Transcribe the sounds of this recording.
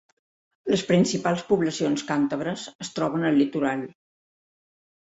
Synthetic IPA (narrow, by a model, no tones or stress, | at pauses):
ləspɾinsipalˠspuβləsionskant̪əβ̞ɾəzəst̪ɾɔβ̞ənəlːit̪uɾalˠ